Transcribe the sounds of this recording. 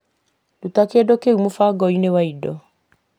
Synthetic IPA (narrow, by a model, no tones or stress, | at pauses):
dutakedokeumofaɡɔinewaidɔ